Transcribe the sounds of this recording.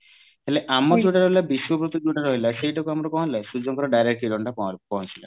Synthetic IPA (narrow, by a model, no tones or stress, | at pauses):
ɦeleʔamɔɾd͡ʒuʈaɾɔɦilabiswɔpɾut̪ɔd͡ʒuʈaɾɔɦilaseɦiʈɔkuamɔɾɔkɔɦɔ̃lasud͡ʒɔŋkɔɾɔɖajɾek̚ʈiɖɔɳʈapɔɦɔ̃t͡ʃʰila